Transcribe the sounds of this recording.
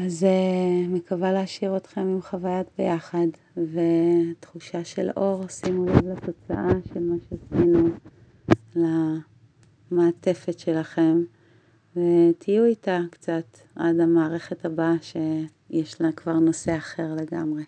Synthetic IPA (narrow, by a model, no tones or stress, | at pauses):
azemekavaleaʃiʁotχe̞mimχavajatbejaχad | ve̞t̪χuʃaʃe̞̰lʔo̞ʁsimulavlato̞t͡sa̰ʔaʃe̞lmaʃeasinu | la | maːte̞fe̞tʃe̞laχe̞m | vetʰijuitakt͡sat | ʔa̰damaːʁe̞χetabaʃe̞ | jeʃlakvaʁno̞se̞aχe̞ʁle̞ɡa̰mʁe